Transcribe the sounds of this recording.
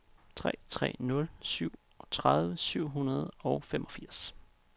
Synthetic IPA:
t͡sʰʁɛ̰ːt͡sʰʁɛ̰ːnɔ̽lsyʊ̰ | t͡sʰʁaðˠʋəsyʊ̰ɦunɐð̞ˠɒʊfemʔɒ̽fiɐ̰s

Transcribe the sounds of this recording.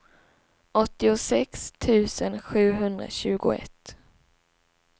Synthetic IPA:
ʔɔt̪ːɪʊsɛkst̪ʰʉ̟ːsənɧʉ̟ːɦɵnd̪ɾa̰ɕʉ̟ːɡʊɛ̰t̪ː

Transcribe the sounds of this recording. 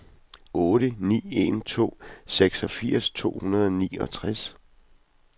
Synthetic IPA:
ɔːɾ̥ənḭːe̝nt͡sʰo̝̰ːseɡ̥sɒ̽fiɐ̰st͡sʰo̝̰ːhunɐð̞ˠɒniːɒ̽t͡sʰʁas

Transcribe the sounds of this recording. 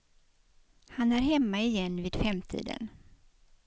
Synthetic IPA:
hanæɾɦɛmːaɪjɛnːviːd̪̥fɾɛmt̪ʰḭːd̪ə̰n

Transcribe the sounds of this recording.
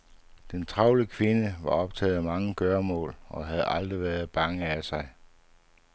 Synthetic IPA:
d̥ent͡sʰʁɑ̈ʊləkʰʋe̝nəʋɑ̈ɒ̽b̥̚t͡sʰɛ̰ːð̞̩ˠæmɑ̈ŋəɡ̥ɶɐmɔ̰̽ːlɒ̽ɦæð̩ˠɑ̈ld̥ʁiʋæːɐð̞̩ˠb̥ɑ̈ŋəæsɑ̈ɪ

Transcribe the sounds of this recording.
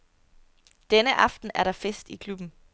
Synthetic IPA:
d̥enəʔɑ̈fd̥n̩æɐɾɑ̈fesd̥ikʰlub̥n̩

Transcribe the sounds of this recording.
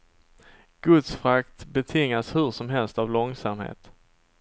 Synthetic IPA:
ɡ̥ɵt̪sfɾakt̪bɛt̪ʰɪŋːashɵʂɔmɦɛlst̪avlɔŋsamhḛːt̪

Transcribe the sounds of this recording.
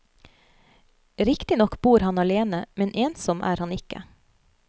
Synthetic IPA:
ɾɪkt̪ɪnɔkbuːɾhɑnɑleːnəmɛnʔeːnsɔmʔæ̰ːɾhɑnɪkə̰

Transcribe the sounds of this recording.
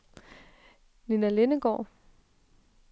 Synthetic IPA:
ninæle̝nəɡ̥ɒ̰ː

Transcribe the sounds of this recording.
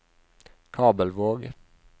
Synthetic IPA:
kʰɑːbəlʋoːɡ

